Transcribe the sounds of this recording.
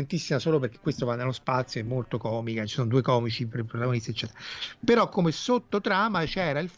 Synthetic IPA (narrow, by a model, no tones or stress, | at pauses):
ent̪isːimasoːloperk̟e̥kːwest̪ovanːelːospat̪sːjoɛmːolt̪okɔːmikat͡ʃi̥sonod̪uekɔːmit͡ʃipɾipɾot̪aɡonist̪iet͡ʃːɛːt̪eapeɾɔkːomesot̪ːot̪ɾaːmat͡ʃɛːɾailf